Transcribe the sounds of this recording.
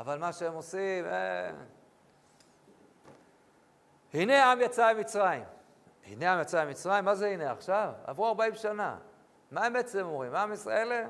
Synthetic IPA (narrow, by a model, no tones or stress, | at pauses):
avalmaʃeemo̞simḛ | hine̞amjat͡saemit͡sʁaim | hḭneamjat͡saemit͡sʁajimːazehine̞aχʃava̰vʁuaʁbaimʃana̰ | maemet͡slemo̞mʁimaamisʁa̰e̞lem